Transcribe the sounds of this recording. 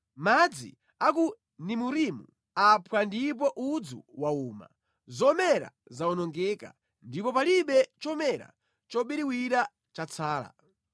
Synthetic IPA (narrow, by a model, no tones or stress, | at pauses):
mad͡zḭ | aku | nimuɾimu | apʰwandip̬ɔʔud͡zṵwauːma̰ | zɔmɛɾa̰ | zaɔnɔŋɡɛːka̰ | ndipɔpaliɓɛt͡ʃɔmɛɾa̰ | t͡ʃɔɓiɾiwiɾa | t͡ʃat͡sʰaːla̰